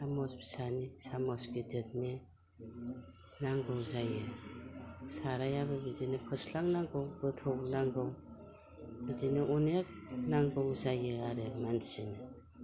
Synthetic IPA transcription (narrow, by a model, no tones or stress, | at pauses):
amɔsbi̥sanisamɔsɡidet̚ne | naŋɡɯwzajɯ | saɾajaβɯbidinɯkʰɯslaŋnaŋɡɯwbɯtʰownaŋɡɯw | bidinɯʔɔnek̚naŋɡɯwzajɯaɾemansinɯ